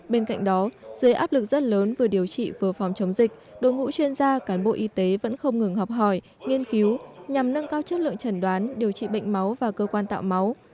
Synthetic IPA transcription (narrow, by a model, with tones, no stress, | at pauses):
ɓe˧nka̰˧˨jŋ̟ɗɔ˨˦z̥əː˨˦ʔaː˦˥p̚lɨ˨˩k̚z̥ə˦˥t̚ləː˨˦nvɨ˨˩əɗi˨˩əwt͡ɕḭ˧˨vɨ˨˩əfa˨˦wŋ͡mt͡ɕə˨˦wŋ͡mzï˨˩k̟̚ɗo̰˧˨jŋṵ˧˥t͡ɕwi˧ənzaː˧kaː˨˦nɓo̰˧˨ʔi˨˧˦t̪e˨˦və̰˧˥nxə˧wŋ͡mŋɨ˨˩ŋɦɔ˨˩wk͡p̚ɦɔ˧˩j | ŋi˧ənki˨˦wɲa˨˩mnə˧ŋkaː˧wt͡ɕə˦˥t̚lɨ̰˧˨ə˨ŋt͡ɕə˨˧˩nɗwaː˨˦nɗi˨˩əwt͡ɕḭ˧˨ɓə̰˧˨jŋ̟ma˨˦wvaː˨˩kəː˧kwaː˧nt̪a̰ː˧˨wma˨˦w